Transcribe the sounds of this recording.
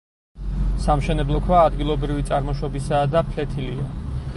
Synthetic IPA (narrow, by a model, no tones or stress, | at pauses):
samʃɛnɛblˠɔkʰwaːd̪ɡilˠɔbɾivit̪sʼaɾmɔʃwɔbisaːd̪apʰlɛt̪ʰilia